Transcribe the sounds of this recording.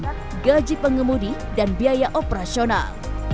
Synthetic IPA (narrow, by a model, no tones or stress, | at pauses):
ɡad͡ʒipəŋəmudi | danbiajaʔopəɾasiona̰l